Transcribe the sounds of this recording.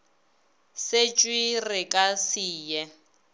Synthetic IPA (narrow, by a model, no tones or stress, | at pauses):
set͡ʃʼwirɪkʼasiːjɛ